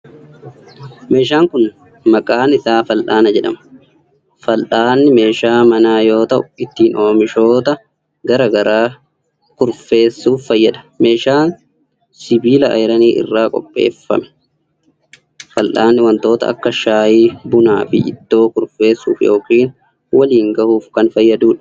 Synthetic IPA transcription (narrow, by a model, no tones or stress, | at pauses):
me̞ːʃ̬aːŋkʊn | mɐkʼaːnɪsaːfɐlʔaːnɐd͡ʒɛᶑɐmɐ | fɐlʔaːnːɪme̞ːʃaːmɐnaːjo̞ːt̪ɐʔʊɪt̪ːiːnʔo̞ːmɪʃo̞ːt̪ɐ | ɡɐɾɐɡɐɾaː | kʊɾfe̞ːsːuːffɐjːɐᶑɐ̥me̞ːʃaːn | sɪbiːlɐʔɐ̰jɪɾɐniːʔɪ̰rːaːkʼɔ̰pʼːḛːfːɐ̰mɛ̥ | fɐlʔaːnːɪwɐnt̪o̞ːt̪ɐ̰ɐ̰kːɐʃaːjiːbʊna̰ːfɪ̰ʔɪd̪ːo̞ːkʊɾfe̞ːsːṵːfjoːkiːn | wɐliːŋɡɐhuːfkɐnfɐjːɐd̪uːᶑɐ̥